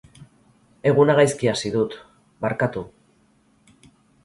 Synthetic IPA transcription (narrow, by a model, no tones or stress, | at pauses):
e̞ɣ̞unaɣajskiasiðut̪ | baɾkat̪u